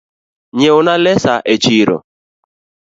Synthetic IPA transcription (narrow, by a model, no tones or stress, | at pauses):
ɲeʊnalesaʔet͡ʃiɾo̰